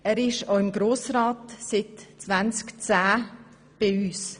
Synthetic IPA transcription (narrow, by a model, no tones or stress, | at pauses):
ɛːɾɪʃoɪmɡɾoːsɾɑːtsɪt̪t͡svant͡skt͡sæː | b̥ɪyːs